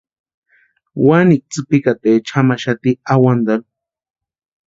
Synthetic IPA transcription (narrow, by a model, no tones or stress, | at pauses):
wanik̚t͡sɨpikat̪et͡ʃʰamaʃat̪iawand̪al